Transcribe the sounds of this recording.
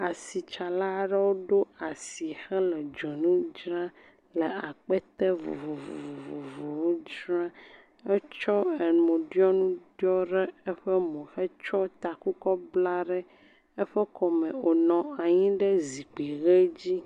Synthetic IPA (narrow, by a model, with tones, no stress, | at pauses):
a˨si˨t͡ʃa˨la˦ɖɛ˦wo˦ɖo˦a˨si˨xɛ˦lɛ˨d͡ʒɔ˨nũ˦d͡ʒɾã˦ | lɛ˨a˨k͡pɛ˦t̪ɛ˦vṵ˨vo˨vvo˨vo˨vo˨wo˦d͡ʒɾã˦ | ɛ˦t͡ʃɔ˦ɛ˨mõ˨ɖjɔ˦nũ˦ɖɔ˦ɖɛ˦ɛ˦ɸɛ˦mõ˨fɛ˦t͡ʃɔ˦t̪a˨ku˦kɔ˦bla˦ɖɛ˦ | ɛ˦ɸɛ˦kɔ˨mɛ̃˨o˨nɔ̃˨a˨ɲĩ˦ɖɛ˦zi˨k͡pi˨ɣɛ˦d͡ʑi˦